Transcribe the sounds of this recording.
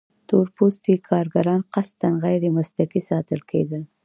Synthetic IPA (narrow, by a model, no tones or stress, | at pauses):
t̪oɾpost̪ikʰɑɾɡaɾɑnqast̪anɣajd̪əmaslakisɑt̪əlkʰḛd̪əl